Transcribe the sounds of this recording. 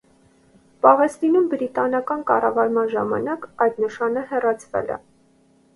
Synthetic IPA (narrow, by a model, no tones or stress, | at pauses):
pɑʁɛst̪inumbɾit̪ɑnɑkɑnkɑ̰rɑvɑɾmɑnʒɑmɑ̰nɑkɑjd̪nəʃɑnəhɛrɑt͡sʰvɛ̰lɛ̰